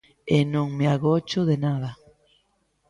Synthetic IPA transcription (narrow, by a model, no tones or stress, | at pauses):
enõŋmeaɣot͡ʃoðenaða